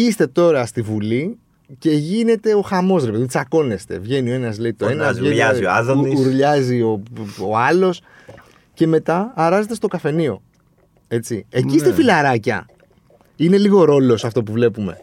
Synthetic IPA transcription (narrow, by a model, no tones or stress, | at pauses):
ist̪e̞t̪o̞ɾɐst̪ivuli | ce̞ʝine̞t̪e̞o̞xɐmo̞sɾepe̞ðit͡sɐko̞ne̞st̪e̞̰vʝe̞nio̞enɐzleit̪oenɐsʝe | uɾʎɐzio̞oɐlo̞s | ce̞me̞t̪ɐːɾɐze̞t̪e̞st̪o̞kɐfe̞nio̞ | e̞t͡siecist̪efilɐɾɐcɐ̰ | ine̞liɣo̞ɾo̞lo̞sɐft̪o̞puvle̞pume̞̰